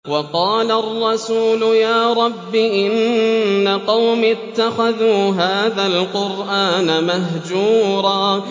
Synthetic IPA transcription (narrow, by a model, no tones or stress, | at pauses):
wɑqɑːlarˤːɑsuːlʊjaːɾˤɑbːɪʔɪnː | aqɑwmɪt̪ːaxaðuːɦaːðalqʊɾʔaːnamaɦd͡ʒuːɾˤɑː